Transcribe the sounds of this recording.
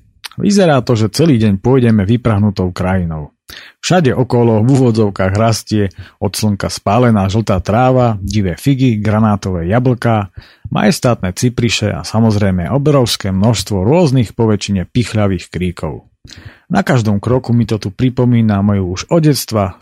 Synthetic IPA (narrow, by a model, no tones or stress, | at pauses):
ʋḭzɛɾaːt̪ɔʒɛt͡sɛliːɟɛɲpʊɔjɟɛmɛʋipɾaɦnut̪ɔʊkɾajinɔʊ | fʃaɟɛʔɔkɔlɔʋuːʋɔd͡zɔʊkaːɣɾascɪɛɔt̪sləŋkaspaːlɛnaːʒl̩t̪aːt̪ɾaːʋaɟiʋɛːfiɡiɡɾanaːt̪ɔʋɛːjabl̩kaː | ma̰jɛst̪aːt̪nɛːt͡sipɾiʃɛ̰a̰samɔzɾɛjmɛʔɔbɾɔʊskɛːmnɔʃst̪ʋɔɾʊɔznixpɔʋɛt͡ʃiɲɛpixʎaʋiːxkɾiːkʰɔ̰ʊ | nakaʒd̪ɔmkɾɔkumit̪ɔt̪upɾipɔmiːnamɛjuuʒɔɟɛt͡st̪ʋa